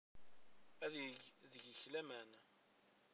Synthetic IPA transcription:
æððəʝəçlæmæn

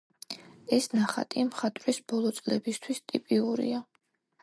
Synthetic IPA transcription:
ɛsnaχa̰t̪ʼimχat̪ʼɾisbɔlˠɔt̪sʼlɛbist̪ʰwist̪ʼipʼiuɾḭa

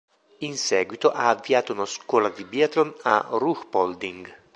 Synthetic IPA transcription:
insɛːɡwit̪oʔaːvːiaːt̪ounaskwɔːlad̪ibiat̪lona̰ruxpɔld̪iŋɡ

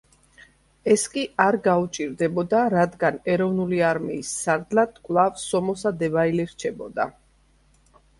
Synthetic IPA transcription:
ɛskʼiaɾɡaut͡ʃʼiɾd̪ɛbɔd̪aɾad̪ɡanɛɾɔvnuliaɾmḭːsːaɾd̪lad̪̥kʼwlˠavsɔmɔsad̪ɛvailɛɾt͡ʃʰɛbɔd̪a

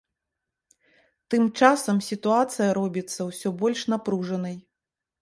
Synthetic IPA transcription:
t̪ɨmt͡ʂasɐmsʲit̪uat̪sɨjɐɾɔbʲit̪sːɐwsʲɔbɔlʲʂnapɾuʐɐnɐj

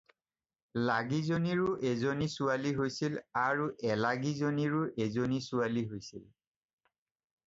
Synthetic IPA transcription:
laɡizoniɹʊʔezonisualiɦojsilaɹuʔɛlaɡizoniɹʊʔezonisʊaliɦojsḭl

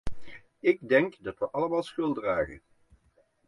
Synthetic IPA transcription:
ɪɡ̚dɛŋkdɑtʋəʔɑləmaːlˠsχɵlˠdraːχə̰n

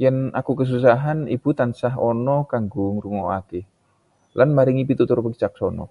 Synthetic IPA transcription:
janakukəs̬us̬aɦanib̥ut̪ansaɦɔnɔkaŋɡuŋɾuŋɔakɪh | lʔanmaɾiŋipit̪ut̪ʊrpəkt͡ʃak̚sɔnɔ̰

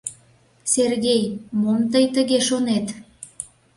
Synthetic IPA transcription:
serɣejmont̪əjt̪əɣeʃonet̪

